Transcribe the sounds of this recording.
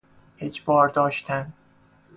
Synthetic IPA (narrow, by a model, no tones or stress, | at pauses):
ed͡ʒbɒːɾd̪ɒːʃt̪ʰæn